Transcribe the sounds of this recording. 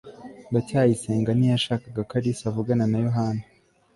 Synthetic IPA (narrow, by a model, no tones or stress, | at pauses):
ɡataːjiseːŋɡanijaʃaːkaɡakaɾisavuɡananajoɦaːna